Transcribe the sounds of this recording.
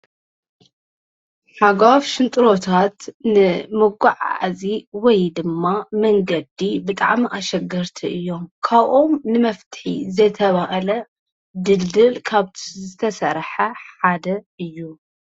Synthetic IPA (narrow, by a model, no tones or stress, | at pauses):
ħaɡafʃɨnt̪ʼɨɾo̞t̪ʰat̪nɨmɨɡuʕa̰ʕziwɔjd̪ɨmːamɐŋɡɐd̪ibɨt̪ʼa̰ʕmiʔaʃɐɡɐɾt̪ʰiʔɨjːo̞mkʰaβʔo̞mnɨmɐft̪ʰħḭzɐt̪ʰɐβaʔɐlɐ | d̪ɨld̪ɨlkʰaβt̪ʰizɨt̪ʰɐsɐɾħɐħad̪ɐɨjːu